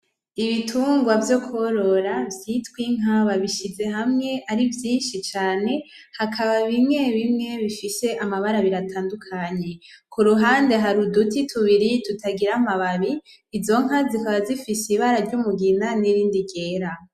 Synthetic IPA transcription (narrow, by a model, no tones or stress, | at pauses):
iβitʰuːŋɡwavjo̞kʰoɾo̞ɾavjitwiŋ̥aβaβiʃize̞ɦamŋe̞ʔaɾivjiːnʃit͡ʃaːne̞ | hakʰaβaβimŋe̞βimŋe̞βifise̞ʔamaβaɾaβiɾatʰaːndukʰaɲe̞kuɾuɦaːnde̞ɦaɾudutitʰuβiɾitutʰaɡiɾamaβaβiː | zo̞ŋ̥azikaβazifisiβaɾaɾɟumuɡinaniɾiːndiɡe̞ːɾa